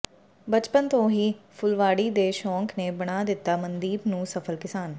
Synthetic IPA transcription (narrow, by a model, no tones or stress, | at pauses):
bət͡ʃpənt̪õːɦiːpʰʊlʋaːɽiːd̪eːʃɔ̃ːŋkneːbəɽ̃aːd̪ɪt̪ːaːmənd̪iːbnũːsəpʰəlkɪsaːn